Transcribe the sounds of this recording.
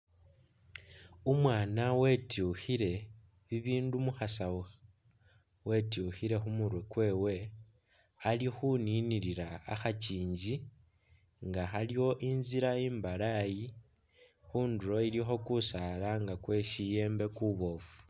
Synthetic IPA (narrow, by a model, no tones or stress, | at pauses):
umwaːnawe̞tuxiɾe̞ | βiβiːndumuxasawu | we̞tuxiɾe̞xumuɾwe̞kwe̞ːwe̞ | alixuniniɾiɾa̰ːxat͡ʃiːɲd͡ʒi | ŋɡaxaliwo̞ʔinziɾaiːmbalaji | xuːnduɾo̞ilixo̞kusalaŋɡakwe̞ʃije̞ːmbe̞kuβo̞fu̥